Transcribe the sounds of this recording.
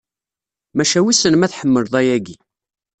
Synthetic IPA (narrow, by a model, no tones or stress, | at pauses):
mæʃæwisənmæθħəmːəɾðˤæjæɡi